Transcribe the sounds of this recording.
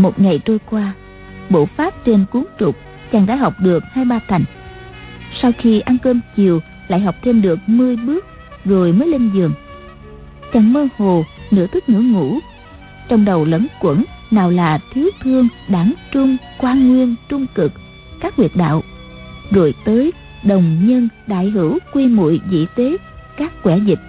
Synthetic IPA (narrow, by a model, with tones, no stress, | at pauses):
mo˨˩t̚ŋa˨˩jt͡ɕo˧jkwaː˧ | ɓo̰˧˩faː˦˥p̚t͡ɕe˧nku˨˦ŋt͡ɕʊ˨˩k͡p̚ | t͡ɕaː˨˩ŋɗa̰ː˧˥jɦa˨˩wk͡p̚ɗɨ˨˩ək̚haː˧jɓaː˧t̪ʰa˨˩jŋ̟ | sa˧wxi˧ʔa˧nkəː˧mt͡ɕi˨˩əw | la̰ː˧˨jɦa˨˩wk͡p̚t̪ʰe˧mɗɨ˨˩ək̚mɨ˧əjɓɨ˦˥ək̚ | ɣo˨˩jməː˨˦jle˧nzɨ˨˩əŋ | t͡ɕa˨˩ŋməː˧ho˨˩nɨ̰˧˥ət̪ʰɨ˦˥k̚nɨ̰˧˥əŋṵ˧˥ | t͡ɕɔ˧wŋ͡mɗə˨˩wlə̰˨˦nkwə̰˧˩nnaː˨˩wlaː˨˩t̪ʰi˨˦wt̪ʰɨ˧əŋɗaː˨˦ŋt͡ɕʊ˧ŋ͡mkwaː˧nŋwi˧ənt͡ɕʊ˧ŋ͡mkɨ˨˩k̚ | kaː˦˥k̚wi˨˩ət̚ɗa̰ː˧˨w | ɣo̰˧˨˩jt̪əː˨˦j | ɗə˨˩wŋ͡mɲə˧nɗa̰ː˧˨jɦɨ˧˩wkwi˧mṵ˧˨jzḭ˧˨t̪e˨˦ | kaː˦˥kkwɛ˧˩zï˨˩k̚